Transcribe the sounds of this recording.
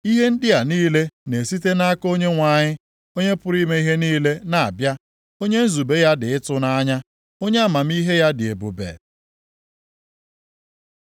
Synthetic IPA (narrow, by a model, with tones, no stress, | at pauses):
i˦ɦe˦n̩˦dɪ˦a˨niː˦le˦ne˨si˦te˦na˦a˦ko˦ɲe˦ŋʷa˨ɲɪ˦ | o˦ɲe˦pʊ˦ɾi˦me˦i˦ɦe˦niː˦le˦na˨a̰˨bja˦ | o˦ɲe˦n̩˦zu˨be˦ja˦dɪ˨ɪ˦tʊ˦na˦ɲa˦ | o˦ɲe˦a˦˨ma˨m̩˦i˦ɦe˦ja˦dɪ˨e˨bṵ˨bḛ˨